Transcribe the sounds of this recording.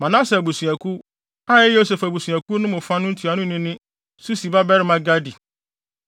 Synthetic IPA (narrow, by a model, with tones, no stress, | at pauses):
mã˨nã˦sɛ˨bu˨su˨æ˨kʰu˦ | a˦ɛ˦jo˦se˨fa˨bu˨su˨æ˨ku˦nʊ̃˦mʊ̃˨fa˦nʊ̃˦n̩˦tʰi˨a˨nʊ̃˦nɪ̃˦nɪ̃˦ | su˦si˨ba˦bɛ˦ɾmã˨ɡa˦di˨